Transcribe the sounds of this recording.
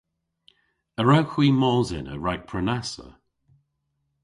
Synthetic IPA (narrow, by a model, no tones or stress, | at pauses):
əɹawxwiːmɔːzɪ̰nə̰ɹajk̚pʰɹənasə̰